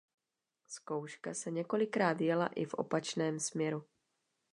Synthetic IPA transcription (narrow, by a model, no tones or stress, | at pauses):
sko̞wʃkasɛɲɛko̞lɪkɾaːd̪vɪjala̰ʔɪfʔo̞̰pat͡ʃnɛːmsmɲɛɾu